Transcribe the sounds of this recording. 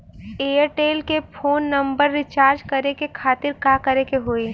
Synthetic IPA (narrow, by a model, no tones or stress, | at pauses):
eːəɾʈeːlkepʰoːnːɐ̃mbəɾːɪt͡ʃaːɾd͡ʒkɐɾekekʰaːt̪ɪɾkakəɾekeɦoːe